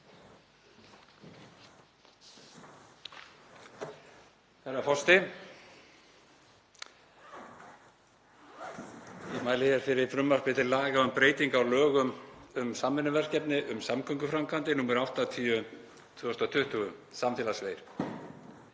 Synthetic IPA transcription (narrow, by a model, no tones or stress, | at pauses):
θɛɾafɔ̥st̪ɪ | jɛmaːjlɪhçɛɾ̥fɪɾɪɾfɾʏmːar̥pɪt̪ɪlaːɣaʏmpɾeːjt̪iŋkawlœːɣʏmʏmsamːɪnːʏvɛr̥cɛpnɪʔʏmsamkʰœŋkʏfɾamkʰant̪ɪnuːmɛɾawht̪at̪ʰiːʏ | t̪ʰʏːɔst̪at̪ʰʏht̪ʏɣʏsamfɪːlasveːjɾ̥